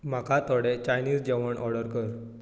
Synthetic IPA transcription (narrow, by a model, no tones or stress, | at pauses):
m̤akʰat̪ɔɽet͡ɕajniːd͡zd͡ʑeʋəɳʔɔɽəɾkəɾ